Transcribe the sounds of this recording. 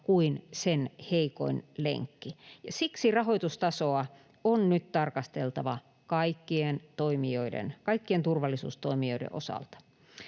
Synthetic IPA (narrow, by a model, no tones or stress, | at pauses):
kuinsenheiko̰inlḛŋkːijɑsiksirɑhoit̪ust̪ɑsoɑ | onnyt̪t̪ɑrkɑst̪elt̪ɑʋɑ | kɑikːient̪oimioidḛnkɑikːient̪urʋɑlːˑisṵːst̪oimioidḛʔo̰sɑ̰lt̪ɑ̥